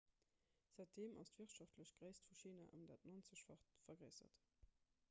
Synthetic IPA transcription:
z̥æɪt̚deːmʔɑ̰stv̥iɐtʃɑftʰləɕɡ̥ʁeɪstfuʃiːna̰ʔɑmdaːtnont͡səɕfɐtfɐɡʁəɪzɐ̰t

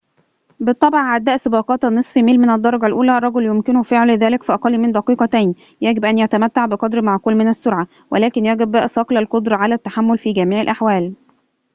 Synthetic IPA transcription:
bɨt̪ˤːɑbʕʕad̪ːæːʔsɪbɑːqɑːt̪ɑnːɨsˤfimeːlmɪnæd̪ˤːɑɾˤɑɡɑlʔuːlæʔɑrˤːɑɡoljomkɪnʊfeʕlɪðæːlɪkfiʔɑqɑlːimɪnd̪ɑqiːqɑt̪æjn | jæɡɪbʔænjæt̪æmæt̪ːaʕbɪqɑd̪ɾmaʕkuːlmɪnæsːʊɾʕa | wælæːkɪnjæɡɪbæʔsˤɑqlælqod̪ɾˤɑʕalæt̪ːaħamːolfiːɡæmiːʕɪlʔaħwæːl

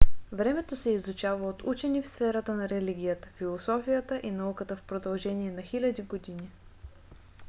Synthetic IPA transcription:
vɾɛmɛt̪osɛizut͡ʃavəot̪ut͡ʃɛnifsfɛɾət̪ənɐɾɛliɡʲijət̪ə̥filˠosɔfijət̪əʔinɐukət̪əfpɾod̪ɐlˠʒɛniɛnɐxilʲɐd̪iɡod̪ini

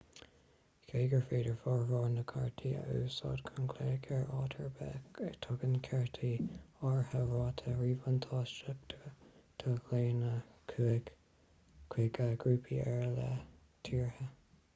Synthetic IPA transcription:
kʰeːɡəɹfeːdəɹfɔɹɹɔːnəkʰaɹt̪ʰiə̰ʔuːsɑ̰ːdkʰʊnkʰleːkʰɛɹɑːtʰəɹbɛ̰t̪ʰʊɡənkʰɛɹt̪ʰiɑɹhəɹɑːt̪ʰəɹiːvənt̪ʰɑːst͡ʃəbtʰtʰəɡleːnəkʰːɡ | kʰwiːɡaɡɹuːpʰiʔɛɹlɛ̰ | t̪ʰiːɹhə

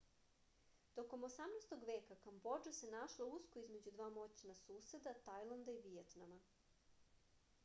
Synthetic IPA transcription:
t̪o̞ko̞mosamnajst̪o̞ɡʋe̞ːkakambo̞d͡ʒose̞naʃlˠouskoizme̞d͡ʑud̪ʋaːmo̞t͡ɕinasuːse̞d̪at̪ajlˠand̪aiʋijet̪nama

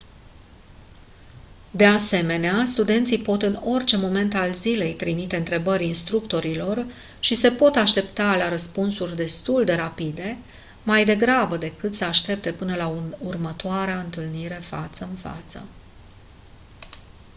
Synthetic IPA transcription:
d̪e̞ase̞me̞neast̪ud̪e̞nt̪sipo̞t̪ɨno̞rʲt͡ʃe̞mo̞me̞nt̪alzile̞jt̪ɾimit̪e̞ɨnt̪ɾe̞bəɾʲinst̪ɾukt̪o̞ɾilo̞r | ʃise̞po̞t̪aʃt̪e̞pt̪alaɾəspunsurʲd̪e̞st̪uld̪e̞ɾapid̪e̞ | majd̪e̞ɡɾabəd̪e̞kɨt̪səaʃt̪e̞p̚t̪e̞pɨnəlaunurmət̪oaɾeaɨnt̪ɨlniɾe̞fa̰t̪səɨnfa̰t̪sə̰

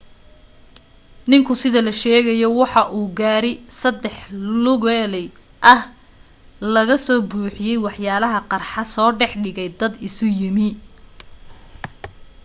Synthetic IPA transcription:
nɪŋkʰʊsɪðɐlɐʃɛːɣɐjɔwɑħɑʔuːɡaːɾɪsɐd̪ɛħlʊɣɛlɛj | ʔɐh | lɐɣɐsɔːbuːħɪjɛjwɑħjaːlɐɦɐqɑrħɑsɔːɖɛħɖɪɣɛjd̪ɐd̪ɪsʊjɪmɪ

